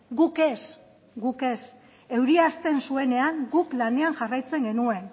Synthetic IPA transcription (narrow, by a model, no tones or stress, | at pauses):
ɡuke̞s | ɡuke̞s | e̞wɾiast̪e̞nsue̞ne̞aŋɡuklane̞aŋʝarajt͡se̞ŋɡe̞nue̞n